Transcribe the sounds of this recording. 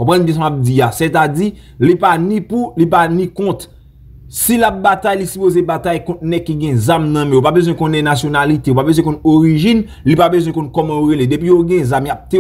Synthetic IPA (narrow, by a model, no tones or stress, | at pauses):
koɔ̃pɣãnbjɛ̃sãap̚d͡ziaset̪adi | lipanĩpulipanĩkɔ̃t̪ | silap̚bat̪ajlisypozebat̪ajkɔ̃t̪̚nɛkːiɡɛ̃zamnɐ̃mɛ̃jopabezw̃ɛ̃kõnɛ̃nasjonalit̪eopabezwɛ̃kɔ̃noʁiʒin | lipabezwɛ̃kɔ̃nkɔmɑ̃joɣeledepijoɡɛ̃zamjap̚t̪e